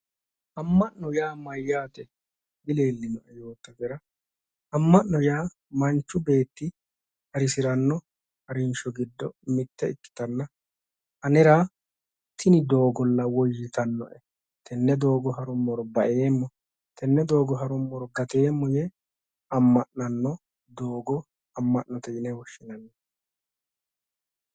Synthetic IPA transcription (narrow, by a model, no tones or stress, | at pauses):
ʔɐmːɐʔnɔjaːmɐjːaːt̪ɛ | bɪle̞ːlːɪnɔʔɛjo̞ːt̪ːɐɡɛɾɐ | ɐmːɐnnɔjaː | mɐnt͡ʃːʊbe̞ːt̪ːɪ | hɐɾɪsɪɾɐnːɔ | hɐɾɪnʃɔɡɪd̪ːɔmɪt̪ːɛɪkːɪ̥t̪ɐnːɐ | ʔɐnɛɾaː | t̪ːɪnɪd̪o̞ːɡɔlːɐwɔjːɪt̪ɐnːɔʔɛ | t̪ʰɛnːɛd̪oːɡɔɦɐɾʊmːɔɾɔbɐʔeːmːɔ | t̪ʰɛnːɛd̪o̞ːɡɔɦɐɾʊmːɔɾɔɡɐt̪e̞ːmːɔjɛ | ɐmːɐʔnɐnːɔ | d̪oːɡɔ | ɐmːɐʔnɔt̪ɛjɪnɛwɔʃːɪnɐnːɛ